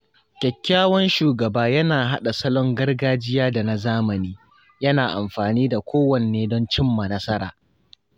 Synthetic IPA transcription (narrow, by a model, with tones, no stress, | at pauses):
kʲɛ˨kʲːaː˦wɔ˦nʃuː˨ɡɐ˨baː˦jɐ˦naː˨ɦa˦ɗa˨sɐ˦lɔ˦ŋɡɐ˦rɡaː˦d͡ʒɪ˦jaː˦da˨na˨zaː˦mɐ˨niː˦ | jɐ˦naː˨ʔa̰˨mɸaː˨niː˦da˨kʷʰoː˦wɐ˨nː˨eː˦dɔ˦nt͡ʃɪ˦mːa˨nɐ˦sɐ˦ɾa̰ː˨